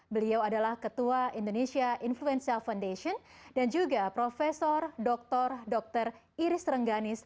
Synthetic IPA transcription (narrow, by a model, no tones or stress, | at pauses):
bəliawadalahkət̪uaindonesiaʔinfluɛnsialfawndeʃiɔndand͡ʒuɡapɾofɛsɔrdɔk̚t̪ɔrdɔk̚t̪ər | iɾɪsɾəŋɡanɪs